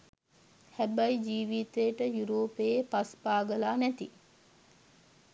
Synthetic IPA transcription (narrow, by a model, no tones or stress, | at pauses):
hæbɐjid͡ʒiːʋit̪ejəʈəjuɾoːpeepaspaːɡəlaːnɛt̪i